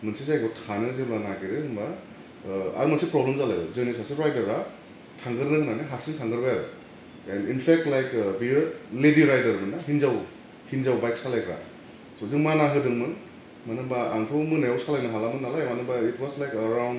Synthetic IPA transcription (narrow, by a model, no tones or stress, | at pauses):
mɯnsizajkʰɔtʰanɯzɯbanaɡiɾɯhɯmba | a̰ɾmansipɾɔblemzalajba̰zɯnisasiɾajdɐɾa | tʰaŋɡɯɾnɯmaneɦasiŋtʰaŋɡɯɾbajaɾɯ | ɛninpʰek̚tlajkbilediɾajdɐɾmɯnaɦinzaw | hinzawbajk̚salajkʰɾa̰ | sozɯŋmanaɦɯdɯŋmɯn | manɯŋbaa̰ŋtʰɯmɯnajawsalajnaɦalamɯnːalajmanɯŋbaitwɔzlajkɐɾawnd